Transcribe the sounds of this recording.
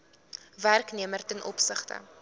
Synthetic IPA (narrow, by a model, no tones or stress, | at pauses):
værkniəmərtənʔɔ̰psəχtə̰